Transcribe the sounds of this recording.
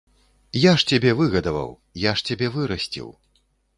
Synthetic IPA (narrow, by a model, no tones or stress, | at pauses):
jaʂt͡sʲabʲɛvɨɣɐd̪ɐvɐ̰w | jaʂt͡sʲabʲɛvɨɾɐsʲt͡sʲḭw